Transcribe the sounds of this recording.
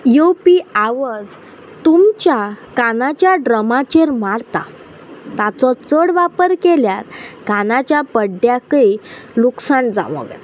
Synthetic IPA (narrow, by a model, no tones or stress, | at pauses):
jopiaʋəd͡z | t̪umt͡ɕjakanat͡ɕjaɖɾəmat͡ɕeɾmaɽt̪a̰ | t̪at͡sɔt͡səɽʋapəɾkeljaɾkanat͡ɕjapəɖjakəiluksãnd͡za̰mɔ̰ɡə̰